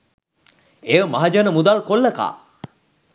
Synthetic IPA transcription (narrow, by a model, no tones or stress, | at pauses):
eəmaɦad͡ʒanəmud̪alkolːəka̰ː